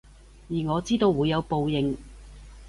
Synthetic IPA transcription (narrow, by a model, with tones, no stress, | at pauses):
jiː˨˩ŋɔː˨˧t͡siː˥t̪o˧wːuː˨˧jːɐ˨˧wpo˨˧wjɪ˨˩ŋ